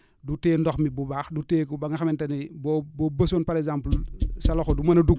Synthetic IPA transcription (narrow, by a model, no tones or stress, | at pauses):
duteːndɔxmibubaxduteːkobaŋaxamentaniboboːbɐsonpaɾezamplsaloxodumɐnɐduɡ